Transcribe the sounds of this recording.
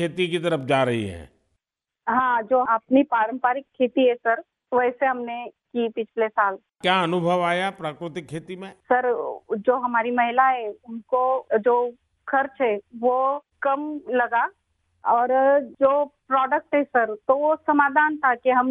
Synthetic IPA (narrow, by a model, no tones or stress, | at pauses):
kʰeːt̪ikit̪ɐɾəfd͡ʒaːɾɐɦḭɦɛ̰̃ː | ɦãːd͡ʒoːɐpnipaːɾə̃mpaːɾɪkʰːeːt̪iɦɛsɐɾ | ʋɛːseɦɐmnekiːpɪt͡ʃʰlesaːl | kjaɐnʊbʱəʋaːjapɾaːkɾɪt̪ɪkʰːeːt̪imẽsɐɾd͡ʒoːɦɐmaːɾimɐɦɪlaɦɛʊnkod͡ʒoː | kʰɐɾt͡ʃɦɛʋo | kɐmlɐɡa | ɔːɾd͡ʒoːpɾɔːɖək̚ʈɦɛsɐɾt̪oʋosɐmaːd̪ʱaːnt̪ʰakeɦɐm